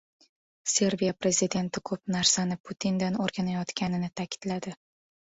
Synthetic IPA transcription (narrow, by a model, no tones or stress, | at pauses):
se̞ɾvijapɾe̞zid̪e̞nt̪ʰɪkʰɵp̚naɾsanɪpʰut̪ʰind̪anoɾɡʲanajɒt̪kʲʰanɪnɪt̪ʰakʲʰɪ̥d̪̥lad̪ɪ